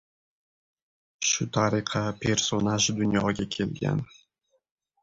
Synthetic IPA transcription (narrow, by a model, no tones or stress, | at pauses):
ʃut̪ʰɑɾiqʰɑpʰersonaʒd̪ʊnjɑɡʲɑkʲʰelɡʲḛn